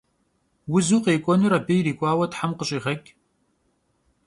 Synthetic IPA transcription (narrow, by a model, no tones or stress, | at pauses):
wʊzuːqeːkʷʼɔnuɾɐbɨjriːkʷʼɑːwɐtħamqəɕʼiːʁɐkʲʼ